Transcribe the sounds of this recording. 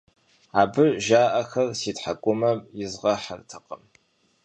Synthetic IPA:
aːbɨʒaːʔɐxɐrsiːtħakʷʼʊmɐmjɪzʁɐħa̰rtʰɐqʼəm

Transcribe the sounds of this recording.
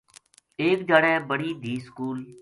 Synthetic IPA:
eːkd͡ʒaːɽɛ̃ːbəɽiːd̪ʱiːskuːl

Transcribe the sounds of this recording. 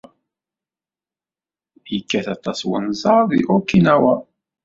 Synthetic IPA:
jəkːæθɑt̪ˤːɑswə̰nzɑɾˤðḭʔʊkːinæwæ

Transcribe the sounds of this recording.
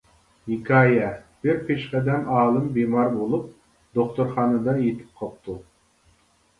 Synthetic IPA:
jikʰʲɑːjɛb̥ɪɾpʰeʃqɛd̪ɛmɑːlˠɨmbemɑɾbolˠup̚ | d̪oχt̪uɾχɑːnɨd̪ɑjet̪ʰɪ̥p̚qʰɑp̚t̪ʰu

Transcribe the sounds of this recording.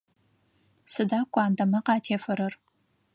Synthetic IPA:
sɨdaːkʷʼɑːndɐmɐqɑːtʰeːfɐɾɐr

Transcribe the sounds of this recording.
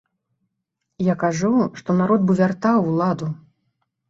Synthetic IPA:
jakaʐuʂt̪ɔnaɾɔt̪̚bɨvʲart̪awlˠad̪u

